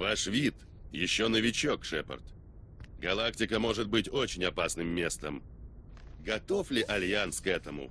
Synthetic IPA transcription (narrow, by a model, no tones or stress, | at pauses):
vaʂvʲit̪ | jɪɕːonəvʲɪt͡ɕokʂɛpə̰rt̪ | ɡɐlˠaktʲɪkəmo̞ʐɨt̪̚bɨtʲo̞t͡ɕɪnʲɐpasnɨmːʲe̞st̪əm | ɡɐt̪o̞flʲɪʔɐlʲjanskɛt̪əmʊ̰